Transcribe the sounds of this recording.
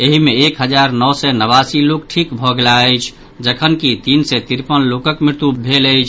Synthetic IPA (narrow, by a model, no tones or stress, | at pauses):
eɦimeːkɦəd͡ʒaɾnɔwsɛnəβasilokʈʰikbʱɔɡelaəjt͡ʃʰ | d͡ʒəkʰənkit̪insɛt̪iɾpənlokəkmiɾt̪ubʱelət͡ʃʰ